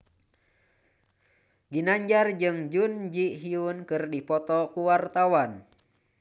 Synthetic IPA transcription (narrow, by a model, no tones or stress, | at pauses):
ɡinaɲd͡ʒard͡ʒɨŋd͡ʒund͡ʒiʔɦiunkɨrdipɔt̪ɔkuwart̪awan